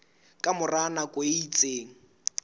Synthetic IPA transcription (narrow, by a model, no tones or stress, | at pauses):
kʼamʊranakʼwoit͡sʼeːŋ̩